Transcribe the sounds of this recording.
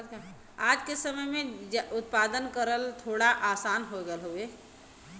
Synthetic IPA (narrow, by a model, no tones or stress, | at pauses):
ad͡ʒkesəməjmẽd͡ʒʊt̪̚pad̪ənkəɾəlt̪ʰoːɽaʔaːsaːnɦoɡɛlɦoe